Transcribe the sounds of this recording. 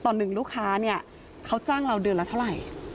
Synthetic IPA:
t̪ɔː˨˩nːɯ˨˩ŋɾuː˥˩kʰaː˦˥ni˥˩ɐ | kʰa˦˥wt͡ɕaː˥˩ŋɾa˧wdɯː˧nla˧˩t̪ʰa˥˩wɾa˨˩j

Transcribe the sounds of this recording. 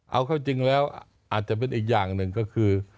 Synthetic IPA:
ʔa˧wkʰaː˥˩wt͡ɕi˧ŋlɛː˦˥wʔ | ʔaː˨˩t̪̚t͡ɕa˨˩ʔp̬e˧nʔiː˨˩k̬̚jaː˨˩ŋnɯ˨˩ŋkɔː˥˩kʰɯː˧

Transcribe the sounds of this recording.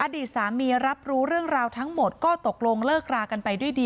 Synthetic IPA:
ʔaː˧diː˨˩t̪̚saː˩˦miː˧ɾa˦˥p̚ɾuː˦˥ɾɯ˥˩əŋɾaː˧wt̪ʰa˦˥ŋmo˨˩t̪̚kɔː˥˩t̪o˨˩k̚lo˧ŋlɤː˥˩k̚ɾaː˧ka˧npa˧jdu˥˩əjdiː˧

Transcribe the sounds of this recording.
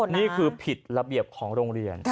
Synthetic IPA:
niː˥˩kʰɯː˧pʰi˨˩t̪̚ɾa˧bi˨˩əp̚kʰɔː˩˦ŋɾoː˧ŋɾi˧ən

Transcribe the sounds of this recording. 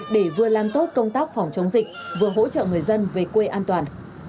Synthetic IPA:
ɗe˧˩vɨ˨˩əlaː˨˩mt̪o˦˥t̚kə˧wŋ͡mt̪aː˦˥k̚fɔ˨˩wŋ͡mt͡ɕə˨˦wŋ͡mzï˨˩k̚vɨ˨˩əɦo̰˧˥t͡ɕə̰ː˧˨ŋɨ˨˩əjzə˧nve˨˩kwe˧ʔaː˧nt̪waː˨˩n

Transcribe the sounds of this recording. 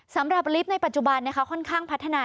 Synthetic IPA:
sa˩˦mɾa˨˩p̚li˦˥p̚na˧jpa˨˩t̪̚t͡ɕu˨˩ba˧nːa˦˥kʰa˦˥kʰɔ˥˩nkʰaː˥˩ŋpʰa˦˥t̪ʰːa˧naː˧

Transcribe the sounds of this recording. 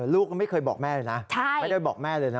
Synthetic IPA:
lu˦˥˩k̚ma˦˥˩jkʰɤː˧jbɔː˨˩k̚mɛː˥˩lːjna˦˥t͡ɕʰa˥˩jd̪aː˥˩bɔː˨˩k̚mɛː˥˩lɤː˧jna˦

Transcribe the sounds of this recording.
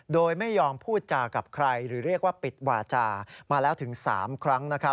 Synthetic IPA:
doː˧jma˥˩jːɔː˧mpʰuː˥˩t̪̚t͡ɕaː˧ka˨˩p̚kʰɾa˧jɾɯː˩˦ɾi˥˩ək̚waː˥˩pi˨˩t̪̚waː˧t͡ɕaː˧maː˧lɛː˦˥wt̪ʰɯ˩˦ŋsa̰ː˩˦mkʰɾa˦˥ŋna˦˥kʰa˦˥p̚

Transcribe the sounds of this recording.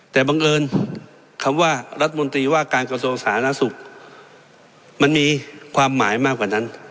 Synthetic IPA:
t̪ɛː˨˩baː˧ŋʔɤː˧n | kʰa˧mwaː˥˩ɾa˦˥t̪̚ʰːa˧mo˧nt̪ɾiː˧waː˥˩kaː˧nkɾa˧su˧əŋsaː˩˦a˧naː˧˥˩su˨˩k̚ | ma˧nmiː˧kʰwaː˧mːaː˩˦jmaː˥˩k̚waː˨˩na˦˥n

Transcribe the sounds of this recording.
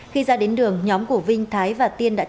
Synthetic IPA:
xi˧zaː˧ɗe˨˦nɗɨ˨˩əŋɲɔ˨˦mku˧˩vï˧ŋ̟t̪ʰaː˨˦jvaː˨˩t̪i˧ənɗa̰ː˧˥

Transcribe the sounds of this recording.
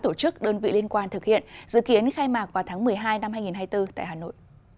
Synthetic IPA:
t̪o˧˩t͡ɕɨ˦˥k̚ɗəː˧nvḭ˧˨li˧ənkwaː˧nt̪ɨ˨˩k̚hḭ˧˨ənzɨ̰˧˨ki˨˦ənxaː˧jmaː˨˩k̚vaː˨˩t̪ʰːŋmɨ˨˩əjɦaː˧jna˧mhaː˧jŋi˨˩nɦaː˧jt̪ɨ˧t̪a̰ː˧˨jɦaː˨˩no̰˧˨j

